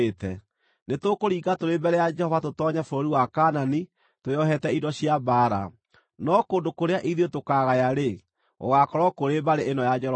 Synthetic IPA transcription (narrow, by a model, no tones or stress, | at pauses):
tɛ | netokoɾiːɡatoɾebɛɾɛjad͡ʒɛhɔvatotɔɲafoɾoɾiwakanani | toɔɦɛtɛidɔɕiabaɾa̰ | nɔkoːndokoɾeaʔiðotokaɣajaɾe | o̰ɣakɔɾɔkoɾebaɾeʔenɔjad͡ʒɛɔ